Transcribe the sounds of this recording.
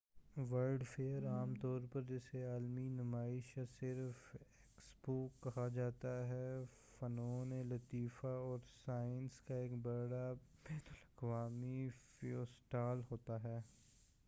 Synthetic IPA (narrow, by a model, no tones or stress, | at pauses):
ʋəɾɖfeːəɾaːmt̪ɔːɾpɐɾd͡ʒɛseaːlminɐmaːɪʃɐsɪɾfeːksboːkːɐɦad͡ʒaːt̪aɦɛ | fɐnoːnelɐt̪iːfaɔːɾsaːɪnskaeːkbɐɽabeɦt̪ʊlɐkʋaːmifioːsʈaːlɦoːt̪aɦɛː